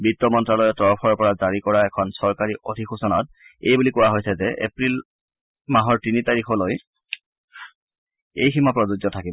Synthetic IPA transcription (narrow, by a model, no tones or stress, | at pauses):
bitːɔmɔntɹalɔjɛtɔɹɔpʰɔɹɔpɔɹazaɹikɔɹaɛkʰɔnsɔɹkaɹiʔodʱixusɔnɔt̚ | ejbulikʊwaɦojsɛzɛḛpɹil | maɦɔɹtinitaɹixɔloj | ejximapɹɔzuɡjɔtʰakib